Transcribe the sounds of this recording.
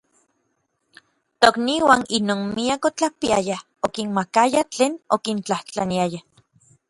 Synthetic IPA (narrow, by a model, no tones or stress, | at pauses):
t̪okniwaninoːnmiakot͡ɬapiaja | okinmakajat͡ɬeːnokint͡ɬaht͡ɬaniaja